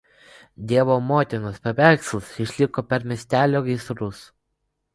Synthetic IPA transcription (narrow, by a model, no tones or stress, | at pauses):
d̪ʲiɛʋoːmoːt̪ʲɪnʊspʲɛʋʲæˑɾkslˠɐsɪʃʲlʲɪkoːpʲɛɾmʲiɛsʲt̪ʲæːlʲoːɡʲɪsɾʊs